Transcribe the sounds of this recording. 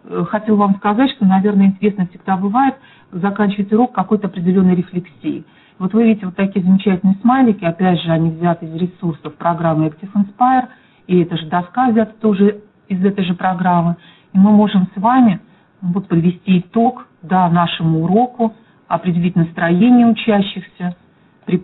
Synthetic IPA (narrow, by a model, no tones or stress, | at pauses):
xɐtʲelˠvamskɐzatʲʂt̪onɐvʲe̞rnəɪnʲtʲɪɾʲe̞snəfsʲɪɡ̚d̪abɨvajɪt̪ | zɐkanʲt͡ɕɪvəɪt̪ʊɾo̞kːɐko̞jt̪əɐpɾʲɪdʲɪlʲo̞nːəjɾʲɪflʲɪksʲḭː | vo̞t̪vɨvʲidʲɪtʲɪvot̪ːɐkʲijəzəmʲɪt͡ɕætʲɪlnɨjɪsmalʲɪkʲɪɐpʲædʲʐɨɐnʲivzʲat̪ɪzɾʲɪsursəfpɾɐɡɾamːɨɛktʲɪfɨnspajɪr | ɪɛt̪əʐɨd̪ɐskavzʲat̪t̪o̞ʐɨ | ɪzɛt̪əjʐɨpɾɐɡɾamːɨ | imɨmo̞ʐɨmsvamʲɪ | nvot̪̚pəd̪vʲɪsʲtʲiːt̪o̞kd̪anaʂɨmʊːɾo̞kʊ | ɐpɾʲɪdʲɪlʲitʲnəst̪ɾɐjenʲɪjəʊt͡ɕæɕːɪxsʲə | pɾʲɪ